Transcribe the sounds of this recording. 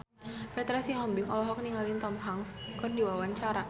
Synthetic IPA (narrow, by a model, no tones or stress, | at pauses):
pɛt̪ɾɛsiɦɔmbɪŋɔlɔɦɔk̚niŋalint̪ɔmɦaŋskɨrdiwawaɲt͡ʃaɾa